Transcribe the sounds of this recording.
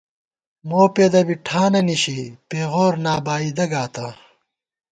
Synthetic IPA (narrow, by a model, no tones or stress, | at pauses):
moːpeːd̪ɐbiʈʰaːnɐniɕipeːʁoːɾnaːbaːid̪ɐɡaːt̪ɐ